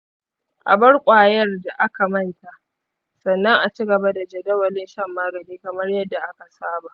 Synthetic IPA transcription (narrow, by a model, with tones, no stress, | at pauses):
ʔa̰˨bɐ˦rkʷʼaː˨jɐ˦rda˨ʔa˦ka˨mɐ˦nta˨ʔ | sɐ˨nːɐ˦ŋʔa˨t͡ʃi˦ɡɐ˨ba˦da˨d͡ʒɐ˨dɐ˦wɐ˨lɪ˦nʃɐ˦mːaː˦ɡɐ˨niː˦kɐ˨mɐ˦rjɐ˦dːa˨ʔa˦ka˨saː˦ba˨ʔ